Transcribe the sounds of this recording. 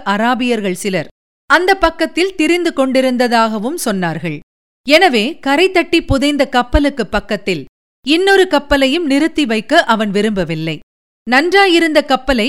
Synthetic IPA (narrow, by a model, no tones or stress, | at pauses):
ʔɐɾaːbɪjɐɾɣɐɭsɪlɐɾ | ɐnd̪ɐpːɐkːɐt̪ːɪlt̪ɪɾɪnd̪ɯkɔɳɖɪɾɯnd̪ɐðaːɣɐʋɯmsɔnːaːɾɣɐɭ | ɛnɐʋeːkɐɾɐɪt̪ːɐʈːipʊðɐɪnd̪ɐkɐpːɐlɯkːɯpːɐkːɐt̪ːɪl | ɪnːɔɾɯkɐpːɐlɐjɯmnɪɾɯt̪ːiʋɐɪkːɐʔɐʋɐnʋɪɾɯmbɐʋɪlːɐɪ | nɐndraːjɪɾɯnd̪ɐkɐpːɐlɐɪ